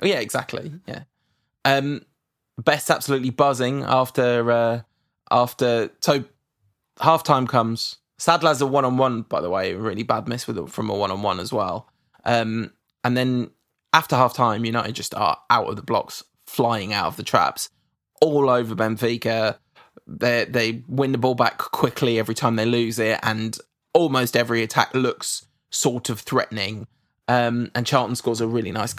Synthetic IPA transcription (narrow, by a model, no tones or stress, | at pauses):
jæɪɡza̰k̚tʰˡlḭjæ̰ | ʔʌ̃m | b̥ɛstab̥səlʉˑʔlibʌzɪ̃ŋɑ̰ˑftəɹʌ | ʔɑˑftəsəʊ | hɑˑftʰãɪ̃mkʰʌ̃mz̥ | sadˡlazəwʌ̃ñə̃nwʌ̃nb̥aɪðəweɪɹɪːlibad̚mɪswɪðə̰fɹə̃məwʌ̃ñə̃nwʌ̰̃nəzwɛ̰lˠ | ʔʌ̃m | ʔə̃nðə̃n | aftəhɑˑftʰãɪ̃mjɨnəʊə̰̃d͡ʒʌstə̰ʔa̰ʊtə̰vðəblɒ̰ks | flaɪɪ̃ŋaʊtəvðətʰɹ̥a̰ps | ʔɔːləʊvəbɛ̃ɱfiˑkə | ðeðeɪwɪ̃nðəbɔːlˠbakʰw̥ɪkʰliɛvɹitʰãɪ̃mðeɪlʉːzɪtə̰̃n | ɔːlˠməʊstɛvɹiətʰa̰klʊks | ɔˑtʰəv̥θɹɛ̰ʔn̩ɪ̃ŋ | ʌ̃mə̃nt͡ʃʰɑːˑʔn̩skɔːzəɹɪːlinaɪs